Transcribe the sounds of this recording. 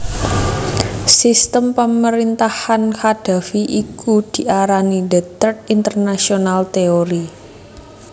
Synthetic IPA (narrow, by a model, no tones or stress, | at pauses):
sist̪əmpəməɾint̪ahanhad̥a̤fiʔikud̪̥i̤ʔaɾanidət̪ərt̪̚int̪ərnasionalt̪eoɾi